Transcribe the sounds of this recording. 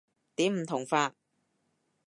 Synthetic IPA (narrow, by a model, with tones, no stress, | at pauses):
t̪iː˨˥m̩˨˩t̪ʰʊ˨˩ŋfaː˧t̚